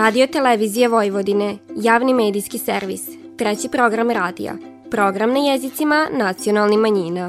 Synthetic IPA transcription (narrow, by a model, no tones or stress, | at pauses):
ɾaːd̪io̞t̪eleʋizijeʋojʋod̪inejaːʋnimeːd̪iskiseɾʋḭs | t̪ɾet͡ɕipɾo̞ɡɾamɾaːd̪ḭja̰ | pɾo̞ɡɾamnajezit̪simanat̪sio̞nalˠnimaɲiːna